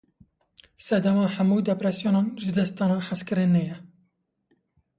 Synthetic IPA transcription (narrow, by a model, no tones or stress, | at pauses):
sɛd̪æmɑːħamuːd̪ɛpɾɛsjoːnɑːnʒɨd̪ɛst̪ɑːnɑːħaskɨɾinːɛjɛ